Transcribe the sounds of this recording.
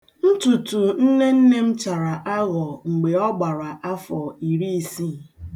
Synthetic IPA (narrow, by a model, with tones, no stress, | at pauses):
n̩˦tu˨tu˨n̩˦ne˦n̩˦ne˦m̩˦t͡ʃa˨ɾa˨ʔa˦ɣɔ˨ŋ͡m̩˨ɡ͡be˨ɔ˦ɡ͡ba˨ɾa˨ʔa˦fɔ˨i˨ɾi˦i˨si˦˨